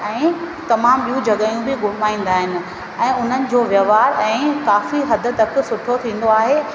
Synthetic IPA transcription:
ɛ̃ː | t̪ɐmaːmɓijũd͡ʑɐɠaːjũbɪɠʊɽ̤maːĩːn̆d̪aːɦɪnɪ̆ | ɛ̃ːʊn̤ənɪ̆d͡ʑoːʋjɐʋaːɾɛ̃ːkaːfiɦɐd̪ʱʊ̆t̪ɐk̆sʊʈʰot̪ʰĩːn̆d̪oaːɦeː

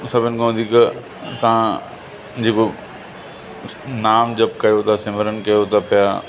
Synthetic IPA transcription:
sɐbʱɪnɪ̆kʰɐʋə̃nd̪ʱikɐ | t̪ɐã | d͡ʑeːko | naːmd͡ʑɐb̚kɐjot̪ʰasɪməɾənkɐjot̪ɐpɐja

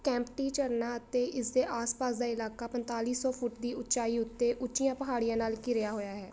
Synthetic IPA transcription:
kɛ̃ːmpʈiːt͡ʃəɾnaːət̪eːʔɪsd̪eːʔaːspaːsd̪aːɪlaːkaːpənt̪aːliːsɔːpʰʊʈd̪iːʊt͡ʃaːiːʊt̪ːeːʔʊʃɪjãːpəɦaːɽijãːnaːlkɪɾɪjaːɦoːjaːɦɛː

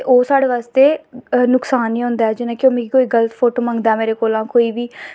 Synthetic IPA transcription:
eʔoːsaːɽeːʋaːst̪eːnʊksaːniːɦõnd̪aːɛːd͡ʒɪnãːkõːmɛ̃ikoːiːɡələt̪pʰoːʈoːmãŋɡd̪aɛːmeːɾeːkoːlãːkoːiːbiː

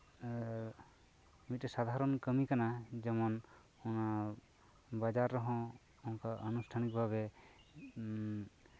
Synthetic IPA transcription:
mit̚ɛsad̪ʱaɾɔnkəmikanad͡ʒɔmɔn | ɔna | bad͡ʒaɾːɔɦɔ̃ | ɔnkaʔənusʈʰanik̚bʱaβɛ

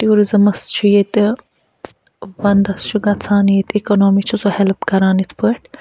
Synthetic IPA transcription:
ʈioːɾizɐmɐst͡ʃʰujet̪ | ʋɐnd̪ɐst͡ʃʰuɡɐt͡sʰaːnijet̪ekonoːmit͡ʃʰizohelpɡɐɾaːnit̪ʰpəʈʰ

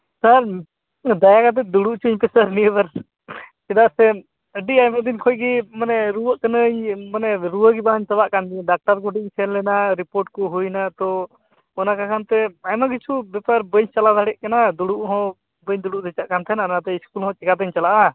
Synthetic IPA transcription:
saɾ | d̪ajakat̪̬ɛd̪uɽuʔt͡ʃʰuɲpɛsəɾniəbaɾ | kɛd̪aʔsɛ | əɖiʔajməd̪inkʰɔjɡimanɛɾuwəʔkənəjmanɛɾuwəɡibaɲt̪əbaʔkand̪iɖak̚ʈaɾkɔɖiʔt͡ʃʰɛnlɛnaɾipoɾʈ̚kɔɦujnat̪ɔ | ɔnakakʰant̪ɛajmaɡit͡ʃʰubɛpaɾbəɲt͡ʃalad̪ʱaɽɛʔkanad̪uɽuʔɦɔ̃ | bəɲd̪uɽuʔd̪ɛt͡ʃaʔkant̪ʰɛnanat̪ɛiskulɦɔ̃t͡ʃɛkad̪əɲt͡ʃalaʔa

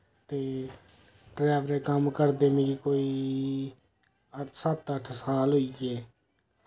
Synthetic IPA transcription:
t̪eː | ɖɾɛːʋəɾeːkəmkəɾd̪eːmĩːkiːkoːiː | əsət̪əʈʰsaːlɦʊiːkeː

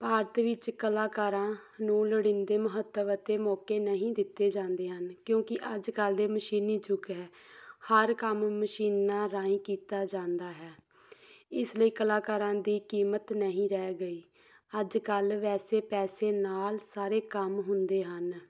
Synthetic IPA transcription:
paːɾt̪ʋɪt͡ʃkəlaːkaːɾãːnũːləɽɪ̃nd̪eːməɦət̪ːəʋət̪eːmɔːkeːnəɦĩːd̪ɪt̪ːeːd͡ʒãːnd̪eːɦənkjõːkɪʔəd͡ʒkəld̪eːməʃiːniːd͡ʒʊkɦɛː | həɾkəmːəʃiːnːãːɾaːĩːkiːt̪aːd͡ʒãːnd̪aːɦɛː | ɪsləiːkəlaːkaːɾãːd̪iːkiːmət̪nəɦĩːɾɛːɡəiː | əd͡ʒkəlʋɛːseːpɛːseːnaːlsaːɾeːkəmɦʊnd̪eːɦən

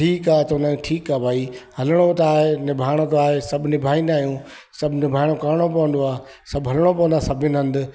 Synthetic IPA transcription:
ʈʰiːkaːt̪onənʈʰiːkaːbʱaːihɐləɽ̃ot̪aːɦenɪbʱaːɪɽ̃ot̪aːɦesɐbʱnɪbʱaːinaːɦijũː | sɐbʱnɪbʱaːɪɽ̃okɐɾɽ̃opɐʋə̃nd̪oaː | sɐbɦɐlɽ̃opɐʋ̃ənd̪aːsɐbʱɪnɪɦɐ̃nd̪ʊ

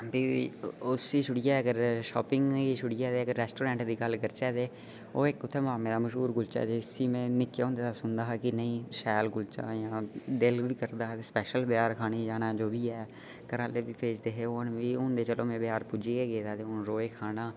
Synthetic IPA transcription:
biːʊsiːʃʊɽɪjaːəɡəɾʃɔ̰ːpɪŋɡiːʃʊɽɪjaːd̪eːəɡəɾːɛːsʈoːɾɛ̃ːɳʈd̪iːɡəlɡəɾt͡ʃɛːd̪eː | oːɪkːʊt̪ʰːeːmaːmẽːd̪aːməʃɦuːɾɡʊlt͡ʃa̰ːd̪eːsiːmɛ̃ːnɪkːeõːnd̪eːt̪asʊnd̪aːɦkɪnəĩːʃɛːlɡʊlt͡ʃa̰ːjãːd̪ɪlʋiːkəɾd̪aːt̪eːspɛːʃəlbjaːɾkʰaːniːd͡ʒaːnaːd͡ʒoːbiːɛː | kəɾaːleːbiːpeːd͡ʒd̪eːɦeːoːnʋiːʊnd̪eːt͡ʃəlõːmɛ̃ːbɪjaːɾpud͡ʒiːɡeːɡeːd̪aːt̪eːʊnɾoːeːkʰaːnaː

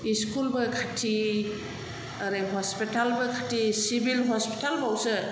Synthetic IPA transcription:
iskulbɐkʰatʰi | aɾaɦɔspitalbɐkʰatʰisibilɦɔspi̥talbʱawsɯ

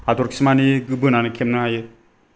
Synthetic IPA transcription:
adɔɾkʰi̥smaniɡɯbɯnanɯkʰemnɯajɯ

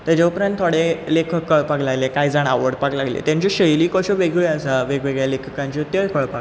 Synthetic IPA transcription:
t̪ad͡ʑaupɾãnt̪ʰoɽelekʰəkːəɭpaɡlaɡlekajd͡zaɳ̃aʋəɽpaɡlaɡlḛt̪jãɲt͡ɕiɕəjliːkɔɕoʋeɡɭeəsaʋeɡʋeɡɭjalekʰəkãɲt͡ɕit̪əɭkəɭpaɡ

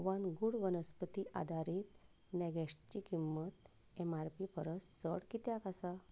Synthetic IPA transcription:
ʋanɡuɽʋənəspət̪iʔa̰d̪ʱaɾit̪ | nɛɡɛʂʈt͡ɕikimːət̪̚ | ɛmaɾpipəɾəst͡səɽkit̪jakasa

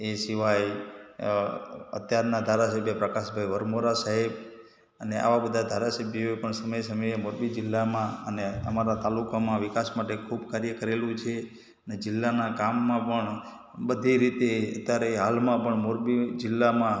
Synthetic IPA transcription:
esiʋaj | ə̰t̪jaɾnad̪ʱaɾasəbʱjəpɾəkaʃbʱaiʋəɾmoɾasaɦib | əneʔa̰ʋabəd̪ʱad̪ʱaɾasəbʱjoepəɳsəməjsəmiemoɾbid͡ʒɪlːamãəneəmaɾat̪alukamãʋɪkasmaʈekʰubkaɾjəkəɾelũt͡ʃʰe | əned͡ʒɪlːanakamːãpəɳ | bəd̪ʱiɾit̪eət̪jaɾeɦalmãpəɳmoɾbid͡ʒɪlːamã

